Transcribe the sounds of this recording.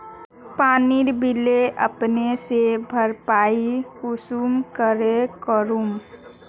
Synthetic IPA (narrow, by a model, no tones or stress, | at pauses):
paːniɾbileʔə̰pnesebʱəɾpaikusumkəɾekəɾum